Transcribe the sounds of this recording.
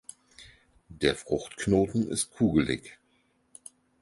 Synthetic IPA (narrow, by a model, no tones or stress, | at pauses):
d̥eːɐfʁ̥ʊxtknoːtn̩ɪ̰st̚kʰuːɡəlɪ̰ç